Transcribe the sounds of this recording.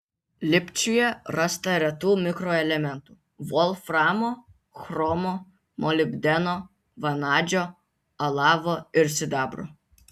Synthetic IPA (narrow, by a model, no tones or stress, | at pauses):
lʲɪpʲt͡ʃʲʊjɛɾɑst̪ɐɾʲɛt̪uːmʲɪkɾoɛlʲɛmʲɛnt̪uː | ʋɔlˠfɾɑːmo | xɾɔmo | mʔɔlʲɪbʲd̪ʲɛno | ʋɐnɑːd͡ʒʲo | ɐlˠɑːʋoɪɾsʲɪd̪ɑːbɾo̰